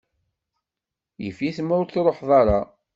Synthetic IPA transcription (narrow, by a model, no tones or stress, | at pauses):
jəfiθmʊɾθɾˤoħðˤɑɾˤɑ